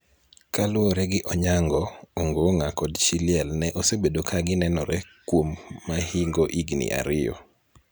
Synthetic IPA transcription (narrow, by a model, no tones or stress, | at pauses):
kalʊɔɾɛɡɪʔɔɲaŋɡɔoŋɡoŋakɔdt͡ʃilɪɛlnɛʔosebedokʰaɡɪnɛnɔɾɛkwomːahiŋɡoʔiɡnḭʔa̰ɾɪjɔ̰